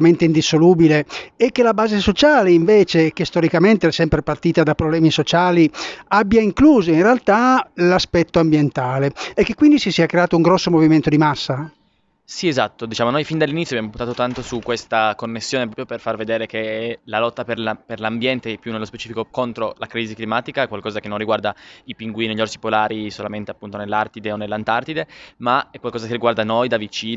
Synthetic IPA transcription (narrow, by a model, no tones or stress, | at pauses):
ment̪eind̪isoluːbileːkːelabaːzesot͡ʃaːleiɱveːt͡ʃek̟est̪oɾikament̪eɛsɛmpɾepart̪iːt̪ad̪apɾoblɛːmisot͡ʃaːliabːjaiŋkluːzoinrealt̪alaspɛt̪ːoambjent̪aːleɛkːekːwind̪isisiakɾeaːt̪ouŋɡɾɔsːomoviment̪od̪imasːa | siezat̪ːod̪it͡ʃaːmonojfind̪alːinit̪soabjamopunt̪aːt̪ot̪ant̪osukːwest̪akonːesːjoːnepɾɔːpɾjoperfarved̪eːɾekelalɔt̪ːaperlaperlambjɛnt̪eɛpːjunːelːospe̥t͡ʃiːfikokont̪ɾolakɾiziklimaːt̪ikaɛkːwalkɔːzakenːonriɡward̪aipiŋɡwiːniʎorsi̥polaːɾisolament̪eapːunt̪onelːart̪id̪eonelːant̪art̪id̪emaɛkwalkɔːzakeɾrːiɡward̪anojd̪avit͡ʃiː